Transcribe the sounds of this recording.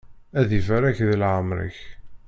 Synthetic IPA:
æðivaɾæçðəlʕəmɾə̰ç

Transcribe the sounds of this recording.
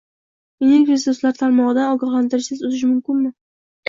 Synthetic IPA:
enɪkɾesʊslaɾt̪ʰaɾmɒʁɨd̪anɒɡɑχlant̪ɪɾɪʃsɪzʊzɪʃmʊmkʲɪnmɪ

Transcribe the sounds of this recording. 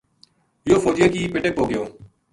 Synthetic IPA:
ɪjoːfoːd͡ʒɪjəkiːpɪʈek̚oːɡɪjoː

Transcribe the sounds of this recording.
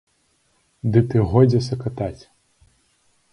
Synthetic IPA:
d̪ɨt̪ɨɣɔjd͡zʲɛsɐkɐt̪at͡sʲ

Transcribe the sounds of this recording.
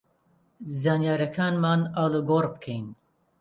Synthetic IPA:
zaːnjaːɾɐkʰaːnmaːnaːluɡoːrbɨkʰejn

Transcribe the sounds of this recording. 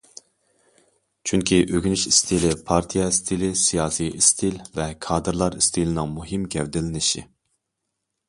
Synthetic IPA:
t͡ʃʰyŋkʲʰiʔøɡʲynyʃist̪ʰilɪpʰɑɾt̪ʰijɛist̪ʰilɪsijɑːsijist̪ʰilvɛkʰɑːd̪ɨɾlˠɑɾist̪ʰilɪnɪŋmuɦɨmɡʲɛvd̪ɪlɪnɪʃi

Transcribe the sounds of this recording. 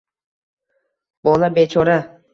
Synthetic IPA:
bɔlˠabet͡ʃʰɔɾa

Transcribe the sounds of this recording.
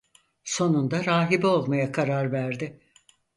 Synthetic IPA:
so̞nund̪aɾaːɦibio̞lˠmajakʰaɾaɾvæɾd̪ɪ

